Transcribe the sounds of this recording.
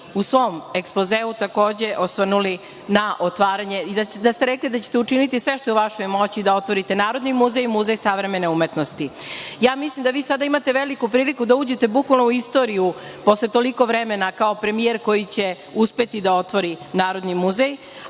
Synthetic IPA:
usʋo̞meksplo̞zeːʋut̪ako̞ːd͡ʑe̞ʔosʋərnuli | naʔot̪ʋaːɾaɲe̞id̪ad̪ast̪eɾeklid̪at͡ɕe̥t̪eut͡ʂinit̪isʋeʃt̪ojuʋaʃojmo̞t͡ɕid̪ao̞t̪ʋo̞ɾit̪e̞naːɾo̞d̪nimuzejmuzejsaʋɾeme̞ne̞umet̪nost̪ijaːmislimd̪aʋiːsad̪aimat̪e̞ʋelikupɾiːlikud̪auːd͡ʑe̞t̪e̞bukʋalnouist̪o̞ɾijupo̞slˠet̪o̞liko̞ʋɾemenakaopɾe̞mieɾko̞jit͡ɕe̞ | uspe̞t̪id̪ao̞t̪ʋo̞ɾinaːɾo̞d̪nimuzej

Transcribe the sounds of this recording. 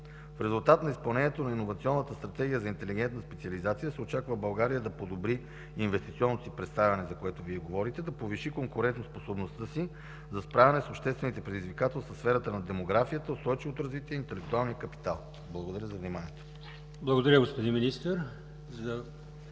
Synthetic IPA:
fɾɛzulˠt̪at̪nɐispɐlˠnɛnʲjɛt̪onɐinːovɐt̪siɔnːət̪əst̪ɾɐt̪ɛɡʲijəzɐint̪ɛliɡ̟ɛnt̪nəspɛt̪siɐlizat̪sijəsɛot͡ʃakvəbɐlˠɡaɾijəd̪ɐpod̪obɾiː | nvɛst̪it̪siɔnːosipɾɛt̪st̪avʲɐnɛzɐkoɛt̪oviɛɡovɔɾit̪ɛd̪ɐpoviʃikoŋkoɾɛnt̪nosposobnost̪əsi | zɐspɾavɛnɛsopʃt̪ɛst̪vɛnit̪ɛpɾɛd̪izvikat̪ɛlˠsəsfɛɾət̪ənɐd̪ɛmoɡɾafijət̪əʊst̪ɔjt͡ʃivot̪oɾɐzvit̪iəint̪ɛlɛk̚t̪ualˠnijəkɐpi̥t̪alˠ | blˠɐɡod̪ɐɾʲəzɐvnimaniɛt̪o̥ | blˠɐɡod̪ɐɾʲəɡospod̪inminist̪əɾ | zə

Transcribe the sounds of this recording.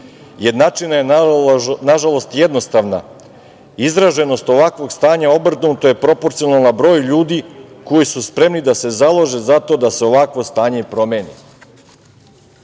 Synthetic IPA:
jed̪nat͡ʃinaje | naʒalˠo̞st̪jed̪no̞st̪aʋna̰ | izɾaʒe̞no̞st̪o̞ʋakʋo̞ɡst̪aːɲao̞br̩t̪nut̪oje̞pɾo̞po̞ɾt̪sionalˠnabɾo̞ːjʎuːd̪iko̞jisuspɾe̞mnid̪ase̞zalˠoʒe̞zat̪o̞d̪ase̞o̞ʋakʋo̞st̪aːɲepɾo̞meːnḭ

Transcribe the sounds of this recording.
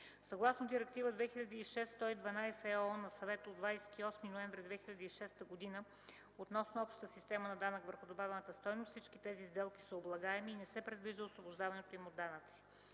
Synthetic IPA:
sɐɡlˠasnod̪iɾɛk̚t̪ivəd̪vɛxiʎʲɐd̪iːʃɛst̪ɔid̪vɐnajsɛɔnɐsɐvɛt̪əod̪vajsɛ̥t̪iɔsminoɛɱvɾid̪vɛxilʲɐd̪iiʃɛst̪əɡod̪inə | ot̪nɔsnoɔpʃt̪ə̥t̪əsist̪ɛmənɐd̪anəkvəɾxod̪obavɛnət̪əst̪ɔjnost̪sit͡ʃkit̪ɛzizd̪ɛlˠki̥səoblˠɐɡaɛmiːnɛsɛpɾɛd̪viʒd̪əosvobʊʒd̪avɐnɛt̪oimod̪ːanət̪si̥

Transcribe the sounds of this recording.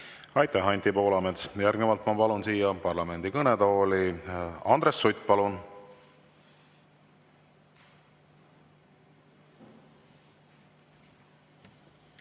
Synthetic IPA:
ɑjt̪ːˑæɦɑnʲt̪ipo̞ːlɑmet̪sjærɡnvɑlt̪mɑpɑlunsiːjɑpɑrlɑme̞nd̪̥ikɤned̪̥oːliɑnd̪ɾe̞sːujt̪ʲːˑpɑlun

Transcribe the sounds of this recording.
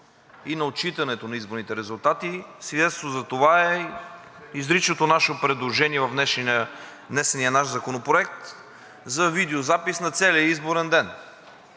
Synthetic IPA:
inɐot͡ʃit̪ɐnɛt̪onɐizboɾnit̪ɛɾɛzulˠt̪at̪isvid̪ɛt̪st̪vozɐt̪ovaɛ | izɾit͡ʃnot̪onaʃɛopɾɛd̪lˠoʒɛniɛvɐvnɛʃ | nɛsɛnijənaʃzɐkonopɾoɛk̚t̪ | zɐvid̪ɛozapisnɐt̪sɛliəizboɾɛnd̪ɛn

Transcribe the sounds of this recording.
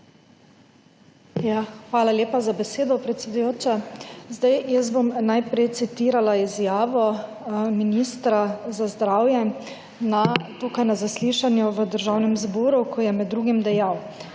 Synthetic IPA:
jaxʋaːlaljeːpazabɛseːd̪ɔpɾɛt̪sʲɛd̪ujoːt͡ʃazd̪ajjəzbomnajpɾɛjt̪sit̪iːɾalaizjaːʋɔ | minist̪ɾazazd̪ɾaːwjɛ | nat̪uːkajnazasliːʃanjuʋəd̪əɾʒawnɛmzbɔːɾukʰɔjɛmɛd̪ːɾuːɡimd̪ɛjaw

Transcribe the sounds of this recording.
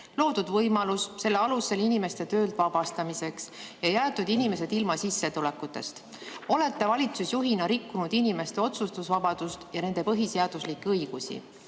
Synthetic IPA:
lo̞ːd̪̥ud̪vɤjmɑlusse̞lːeɑluse̞linime̞st̪e̞t̪ø̞ːld̪̥vɑb̥ɑst̪ɑmise̞ksjɑjæːt̪ːˑud̪̥inime̞se̞d̪̥ilmɑsisːe̞t̪ule̞kːˑut̪ːˑe̞̰st̪ | o̞le̞t̪ːe̞vɑlʲit̪susjuɦinɑɾikːunud̪̥inime̞st̪e̞o̞t̪sust̪usvɑbɑd̪̥ust̪jɑne̞nd̪̥e̞pɤɦise̞ɑd̪̥uslikːeɤjɡ̥usḭ

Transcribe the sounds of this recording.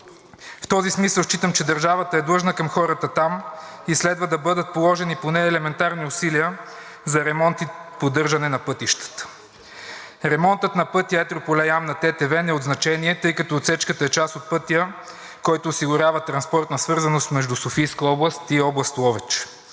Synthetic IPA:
ft̪ɔzismisəlˠʃt͡ʃit̪əmt͡ʃɛd̪əɾʒavət̪əɛd̪lˠɤʒnəkɐmxɔɾət̪ət̪amislɛd̪vəd̪ɐbɤd̪ət̪̚polˠɔʒɛniponɛːlɛmɛnt̪aɾniʊsiliə | zɐɾɛmɔnt̪ipod̪ɤɾʒɐnɛnɐpɤt̪iʃt̪ə̥t̪ə̥ | ɾɛmɔnt̪ət̪nɐpɤt̪ijəɛt̪ɾopolʲɛjamnɐt̪ɛt̪ɛvɛnɛod̪znɐt͡ʃɛniɛt̪ɤjkɐt̪ɔːt̪sɛt͡ʃkət̪əɛt͡ʃasot̪̚pɤt̪ijə | kɔjt̪ʊːsiɡʊɾʲjavət̪ɾɐnspɔɾt̪nəsvɤɾzɐnost̪mɛʒd̪usofijskəɔblˠəst̪iɔblˠɐst̪ˠɔvɛt͡ʃɛ̥

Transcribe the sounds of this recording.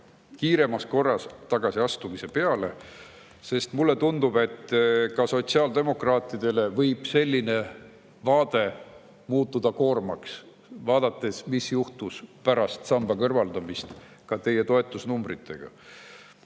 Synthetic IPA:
kiːɾe̞mɑsko̞rːɑst̪ɑɡ̥ɑsiɑst̪umise̞pe̞ɑle̞̰ | se̞st̪mulːe̞t̪und̪ub̥e̞t̪ːkɑso̞t̪siɑːld̪e̞mo̞krɑːt̪ːˑid̪̥e̞le̞vɤjb̥se̞lʲːine̞ | vɑːd̪̥e̞ | muːt̪ːˑud̪̥ɑko̞ːrmɑks | vɑːd̪̥ɑt̪ˑːe̞smisjuht̪uspæɾɑst̪sɑmb̥ɑkɤrvɑld̪̥ɑmist̪ | kɑt̪e̞jːet̪o̞e̞t̪ːˑusnumbrit̪ːˑe̞ɡ̥ɑ̰

